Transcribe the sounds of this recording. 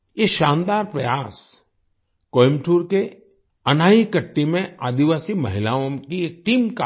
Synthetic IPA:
jeʃãːnd̪aːɾpɾɐjaːs | koːɪmʈʰuːɾke | ɐnaːikəʈːimẽa̰ːd̪iʋaːsimɐ̰ɦɪlaːõkieːk̚ʈiːmka

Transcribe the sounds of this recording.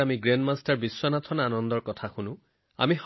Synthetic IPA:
amiɡɹendmastaɹbiswɔnatʰɔnanɔndɔɹkɔtʰaxunʊ̃ | a̰mix

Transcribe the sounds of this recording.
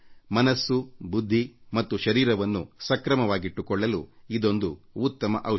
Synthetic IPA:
mɐnɐsːubud̪ʱːimɐt̪ːuʃɐɾiːɾɐʋɐnːṵsɐkɾɐmɐʋaːɡiʈːukɔɭːɐluid̪o̞nd̪uːt̪ːɐmɐ̰ʔɐ

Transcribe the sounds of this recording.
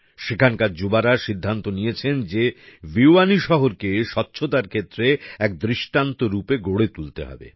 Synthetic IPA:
ʃekʰankaɾd͡ʑubaɾaʃid̪ʱːant̪onijet͡ɕʰend͡ʑeviwaniʃɔɦoɾkeʃɔtːɕʰot̪aɾkʰet̪ːɾeɛk̚d̪ɾiʃʈant̪oɾupeɡoɽet̪ult̪ḛɦɔ̰bḛ

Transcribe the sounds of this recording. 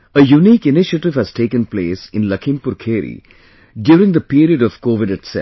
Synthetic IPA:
əjuniːkɪnɪʃəʈɪʋhæz̥ʈeːkə̃npleːsɪ̃nləkʰɪ̃mpʊɾkʰeːɾḭ | ɖjuːɾɪ̃ŋd̪əpiːɾiəɖɔʋ̥koːʋɪɖɪʈsɛ̰

